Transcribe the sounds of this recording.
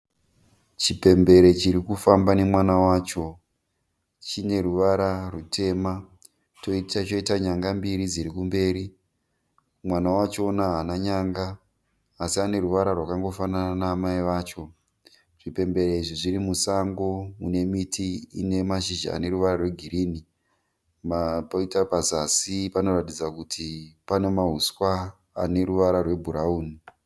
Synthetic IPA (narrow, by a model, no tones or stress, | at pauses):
t͡ʃipe̞mbe̞ɾe̞t͡ʃiɾikufambane̞mwanawaːt͡ʃo̞ | t͡ʃine̞ruʋaɾarutʰe̞ma | to̞itat͡ʃo̞itaɲaŋɡambiɾid͡ziɾikumbe̞ːɾi | mwanawat͡ʃo̞naɦanaɲaŋɡaː | siane̞ruʋaɾarwakaŋɡo̞fanananaːmaiʋaːt͡ʃo̞ | ʐ̥ipe̞mbe̞ɾeiʐiʐiɾimusaŋɡoune̞mitʰiḭne̞maʃiʒa̰a̰ne̞ɾuʋaɾarwe̞ɡʱiɾiːni | mapoitapazasipano̞ratid͡zakutʰipane̞maɦuskwaː | ne̞ɾuʋaɾarwe̞bʱuɾauːni